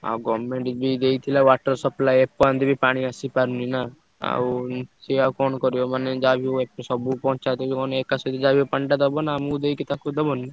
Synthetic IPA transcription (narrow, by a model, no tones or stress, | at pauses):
a̰ɡɔmeɳʈd͡ʒbʱid̪eit̪ʰilaʋaːʈəɾsɔplaːjepːɔə̃nd̪ibʱipaːɽ̃iasipaɾnina | a̰siakɔːnkɔɾjomaned͡ʒabʱioepːsɔbupɔ̃ɦɔ̃t͡ʃat̪ebikɔneːkasɔt̪d̪id͡ʒabiopəɳɖad̪ɔbonamud̪ejkit̪akud̪ɔbonːi